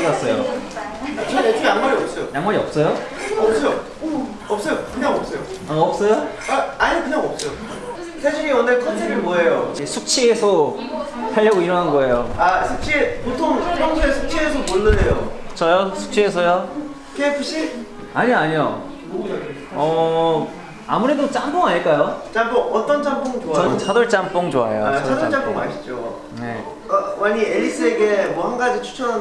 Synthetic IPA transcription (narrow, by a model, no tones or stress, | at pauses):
ɡas͈ʌjo | ʌajaŋmaɾiʌp̚s͈ʌjojaŋmaɾiʌp̚s͈ʌjoʌp̚s͈ʌjo | ʌp̚s͈ʌjokɯɲaŋʌp̚s͈ʌjo | ʌp̚s͈ʌjo | aaɲikɯɲaŋʌp̚s͈ʌjo | sʰaɕʰiɲiʌnɯɭkʰʌntʰebimoɦejod͡ʑesʰuk̚t͡ɕʰiesʰʌ | sʰaʎːʌɡoiɾʌŋɦanɡʌe̞joasʰuk̚t͡ɕʰiepotʰoŋpʰʌŋsʰeesʰuk̚t͡ɕʰiesʰʌponːɯndejot͡ɕʰʌjosʰu̥k̚t͡ɕʰiesʰʌjo | kʰepʰɯɕ͈ʰi | aɲiaɲijo̰ | ʌ | amuɾe̞dot͡ɕ͈amp͈oŋaɲiɭk͈ajot͡ɕ͈amp͈oŋʌt͈ʌnt͡ɕ͈ampoŋt͡ɕoaaʌt͡ɕʰʌdʌɭt͡ɕ͈amp͈oŋt͡ɕoa̰jo̰ʌʌt͡ɕ͈ampoŋa̰ɕʰi̥d͡ʑo | nḛ | ʌwaɲieʎːis͈ɯeɡemwʌhanɡad͡ʑit͡ɕʰu̥t͡ɕʰʌɦan